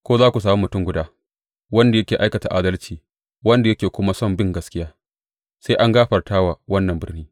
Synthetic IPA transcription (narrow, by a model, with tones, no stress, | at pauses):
kʷoː˦zaː˦kʷu˨s̬aː˨mu˦mʊ˨tʊ˦ŋɡʷʊ˦daː˦ | wɐ˦nda˨jɐ˦kʲeː˨ʔa˦jkɐ˨ta̰˨ʔaː˦dɐ˦lt͡ʃiː˨ | wɐ˦nda˨jɐ˦kʲeː˨kʷʊ˦ma˦sɔ˦˨mbɪ˦ŋɡɐ˦skʲɪ˦jaː˦ | seː˦ʔa˦ŋɡaː˦ɸɐ˨rtaː˦waː˨wɐ˦nːɐ˨mbɪ˦rniː˦